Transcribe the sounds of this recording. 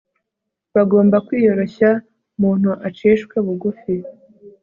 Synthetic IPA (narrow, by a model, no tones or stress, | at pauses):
βaɡo̞ːmbakwiːjo̞ɾo̞ça | muːn̥uʔat͡ʃeːʃkweβuɡufi